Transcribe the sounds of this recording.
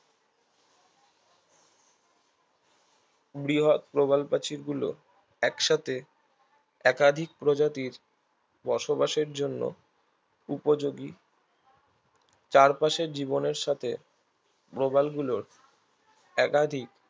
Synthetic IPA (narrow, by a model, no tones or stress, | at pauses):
bɾiɦot̪̚pɾobalpat͡ɕiɾɡulo̰ | ɛkʃat̪ʰe | ɛkad̪ʱik̚pɾod͡ʑat̪iɾ | bɔʃobaʃeɾd͡ʑonːo̰ | upod͡ʑoɡi | t͡ɕaɾpaʃeɾd͡ʑiboneɾʃat̪ʰe | pɾobalɡuloɾ | ɛkad̪ʱik